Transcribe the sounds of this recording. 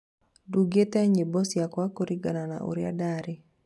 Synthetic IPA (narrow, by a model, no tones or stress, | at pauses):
duɡetɛɲebɔsjakwakoɾiɡanana̰ʔṵɾja̰daɾɪ